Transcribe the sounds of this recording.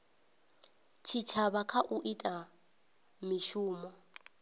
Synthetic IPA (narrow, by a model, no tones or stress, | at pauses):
t͡ʃʰit͡ʃʰaβakʰaʔuʔitʼa | miʃuːmɔ